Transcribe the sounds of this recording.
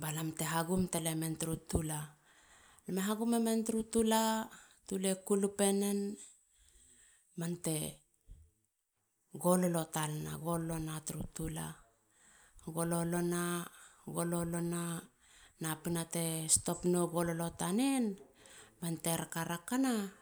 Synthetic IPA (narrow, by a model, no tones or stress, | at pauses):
balamte̞ɦaɡumtelementɾutula | lemeɦaɡumementɾutula | tule̞kulupe̞ne̞n | mante̞ | ɡo̞lolo̞talna̰ɡo̞lːonatɾutula̰ | ɡo̞lo̞lo̞naɡo̞lo̞lo̞na | napinate̞sto̞pnoɡo̞lolo̞tanen | mante̞ɾakaɾakana